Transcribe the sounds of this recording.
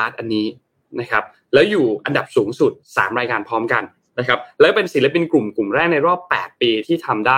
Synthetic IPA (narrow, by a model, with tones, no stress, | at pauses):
aː˦˥t̪̚ʔa˧nːiː˦˥ | na˦˥kʰa˦˥p̚ | lɛː˦˥wjuː˨˩ʔa˧nda˨˩p̚suː˩˦ŋsu˨˩t̪̚sa̰ː˩˦mɾaː˧jkaː˧npʰɔː˦˥mka˧n | na˦˥kʰa˦˥p̚lɛː˦˥wpe˧nsi˩˦la˧pi˧nku˨˩mklu˨˩mɾɛː˥˩k̚na˧jɾɔː˥˩pːɛ̰ː˨˩t̪̚piː˧t̪ʰiː˥˩t̪ʰa˧mdaː˥˩